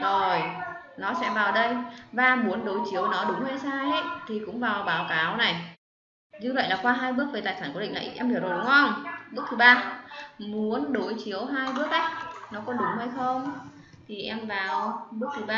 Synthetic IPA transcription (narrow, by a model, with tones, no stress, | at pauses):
zo˨˩j | nɔ˨˦sɛ̰˧˥vaː˨˩wɗə˧jvaː˧mu˨˦ənɗo˨˦jt͡ɕi˨˦əwnɔ˨˦ɗʊ˨˦ŋ͡mhə˧jsaː˧jə˦˥jt̪ʰi˨˩kʊ̰˧˥ŋ͡mvaː˨˩wɓaː˨˦wkaː˨˦wna˨˩j | zɨ˧və̰˧˨jlaː˨˩kwaː˧ɦaː˧jɓɨ˦˥ək̚ve˨˩t̪aː˨˩jsaː˧˩nku˧˩ḭ˧˨ŋna̰˨˩jʔɛ˧mi˧˩zo˨˩ɗʊ˨˦ŋ͡mxə˧˩wŋ͡mɓɨ˦˥ək̚t̪ɨ˨˩ɓaː˧mu˨˦ənɗo˨˦jt͡ɕi˨˦əwɦaː˧jɓɨ˦˥ək̚ʔə˦˥j̚nɔ˨˦kɔ˨˦ɗʊ˨˦ŋ͡mhə˧jxə˧wŋ͡m | t̪ʰi˨˩ʔɛ˧mvaː˨˩wɓɨ˦˥k̚t̪ɨ˨˩ɓaː˧